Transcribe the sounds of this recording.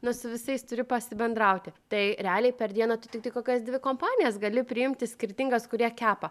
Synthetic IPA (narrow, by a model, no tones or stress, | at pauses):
nʊsʊʋʲɪsɐɪst̪ʊɾʲɪpɐsʲɪbʲɛnd̪ɾɐʊt̪ʲɪt̪ɐɪɾʲɛɑːlʲɛɪpʲɛɾd̪ʲiɛnɐt̪ʊt̪ʲɪkt̪ɐɪkoːkʲɛsd̪ʲʋʲɪkoːmpɑːnʲɪjɛsɡɐlʲɪpʲɾʲɪɪmʲt̪ʲɪsʲkʲɪɾʲt̪ʲɪŋɡɐskʊɾʲiɛkʲæːpɐ